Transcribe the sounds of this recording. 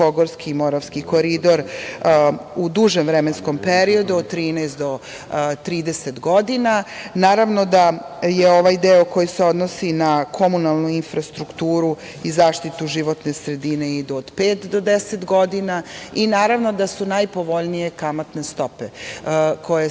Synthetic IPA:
oɡoɾskiːmo̞ɾaʋskiko̞ɾid̪o̞ɾ | ud̪uʒemʋɾemensko̞mpeɾio̞d̪uod̪̚t̪ːɾiːnɛjst̪d̪o̞ | t̪ɾiːd̪eset̪ɡo̞d̪inanaːɾaʋno̞d̪a | jeo̞ʋajd̪eoko̞jiseod̪nosinakʰo̞munalˠnuinfɾast̪ɾukt̪uːɾu | izaːʃt̪it̪uʒiʋo̞t̪ne̞sɾe̞d̪ine̞id̪uod̪̥peːt̪d̪o̞d̪eset̪ɡo̞d̪inainaːɾaʋno̞d̪asunajpo̞ʋo̞ʎnije̞kamat̪ne̞st̪o̞pekʰo̞je

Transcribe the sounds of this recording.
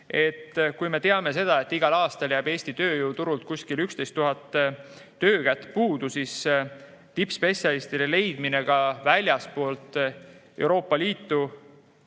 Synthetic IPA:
e̞t̪ːkujme̞t̪eɑme̞se̞d̪̥ɑe̞t̪ːiɡ̥ɑlɑːst̪ɑljæb̥e̞ːsʲt̪it̪ø̞ːjuːt̪uɾult̪̚kuskilykst̪e̞jst̪ːuɦɑt̪ː | øːkæt̪ːˑpuːd̪usis | t̪ipspe̞sʲjɑlist̪id̪ele̞jd̪̥mine̞ɡ̥ɑvælʲjɑspo̞ːlt̪ | e̞̰wɾo̞ːpːˑɑliːt̪ːu

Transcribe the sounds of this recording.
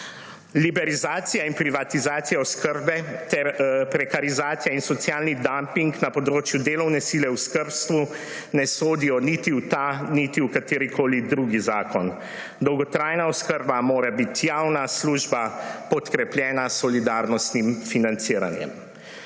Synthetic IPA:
libɛɾizaːt̪sijainpɾiʋat̪izaːt̪sijaɔskəɾbɛt̪ɛɾpɾɛkaɾizaːt̪sijainsɔt̪sjaːlnid̪ampiŋknapɔd̪ɾoːt͡ʃjud̪eːlɔwnɛsilɛwskəɾpst̪ʋu | nɛsoːd̪ijɔnit̪it̪anit̪iukat̪eːɾikʰoːlid̪ɾuɡizaːkɔn | d̪ɔwɡɔt̪ɾaːjnaɔskəɾbamoːɾabit̪jawnasluːʒbapɔt̪kɾɛpljɛːnasɔlid̪aɾnɔst̪nimfinant̪siːɾa̰njɛ̰m

